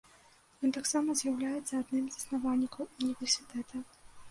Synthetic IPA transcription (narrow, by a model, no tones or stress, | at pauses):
jɔnt̪aksamɐzʲjawlʲajɛt̪sːɐːd̪nɨmzisnavalʲikɐwunʲivʲɛrsʲit̪ɛt̪ʰɐ